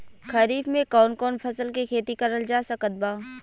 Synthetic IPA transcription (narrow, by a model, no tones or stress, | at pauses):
kʰɐɾiːfmẽkɔːnkɔːnpʰɐsəlkikʰeːt̪ikɐɾəld͡ʒaːsəkət̪̚baː